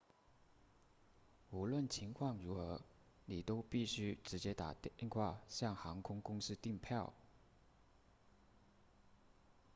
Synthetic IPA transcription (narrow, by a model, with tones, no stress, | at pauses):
u˧˥lwə˥˩nt͡ɕʰi˧˥ŋkʰwɑ˥˩ŋɻu˧˥xɤ˧˥ | ni˨˩t̪o˥ʊpi˥˩ɕy˥ʈ͡ʂɻ̩˧˥t͡ɕjɛ˥t̪a˨˩t̪ŋxʰwa˥˧ɕjɑ˥˩ŋxɑ˧˥ŋkʰʊ˥ŋkʊ˥ŋʂɻ̩˥˧t̪i˥˧ŋpʰjɑ˥˩ʊ